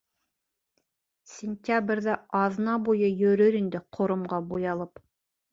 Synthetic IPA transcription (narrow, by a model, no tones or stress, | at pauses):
sʲɪnʲt̪ʲabrʲðæɑðnɑbujɤjɵ̆ɾɵɾind̪ɘqʰŏɾŏmʁɑbujɑlˠɤp